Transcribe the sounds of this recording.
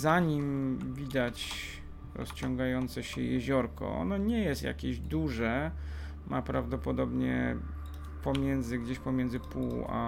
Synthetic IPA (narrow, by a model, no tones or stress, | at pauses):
zaɲimvʲid̪at͡ɕ | ɾɔ̰st͡ɕɔŋɡajɔnt̪sɛɕɛjɛʑɔɾkɔ̰ɔ̰nɔɲɛjɛst̪ja̰kʲeʑd̪uʐɛ | mʔapɾavd̪ɔpɔd̪ɔbɲɛ̰ | pɔmʲjɛnd̪zɘɡd͡ʑeɕpɔmʲjɛnd̪zɘpua̰